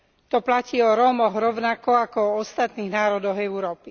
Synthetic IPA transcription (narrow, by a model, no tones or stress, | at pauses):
t̪ɔplaciːɔɾɔmɔɣɾɔʊnakɔakɔɔɔst̪at̪niːɣnaːɾɔd̪ɔɣɛʊɾɔːpi